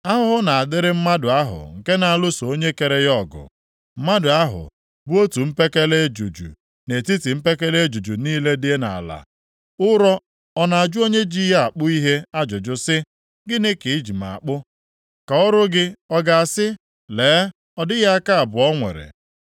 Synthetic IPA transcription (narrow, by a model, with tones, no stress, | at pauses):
a˦ɦʊ˦ɦʊ˦na˨a˨dɪ˦ɾɪ˦m̩˦ma˦dʊ˨a˦ɦʊ̰˨ŋ̩˨ke˦na˨a˨lʊ˦so˨o˦ɲe˦ke˨ɾe˦jɔ˦˨ɡʊ̰˨ | m̩˦ma˦dʊ˨a˦ɦʊ̰˨ | bʊ˦o˦tu˨m̩˦pe˦ke˦le˦d͡ʒu˨d͡ʒṵ˨ | ne˨ti˦ti˨m̩˦pe˦ke˦le˦d͡ʒu˨d͡ʒu˨niː˦le˦dɪ˦e˦na̰˨a̰˨la̰˨ | ʊ˦ɾɔ˦ | ɔ˦na˨a˨d͡ʒʊ˦o˦ɲe˦d͡ʒi˦ɦe˦a˨k͡pʊ˦i˦ɦe˦a˦d͡ʒʊ˨d͡ʒʊ˦sɪ˦ | ɡɪ˦nɪ˦ki˨˦d͡ʒi˨ma̰˨a˨k͡pʊ˦ | ka˨ʊ˦ɾʊ˦ɡɪ˦ɔ˦ɡa˨a˨sɪ˦ | leː˨˦ | ɔ˦dɪ˦ɣa˦a˦ka˦a˨bʊ˨ɔ˦ŋʷḛ˨ɾḛ˨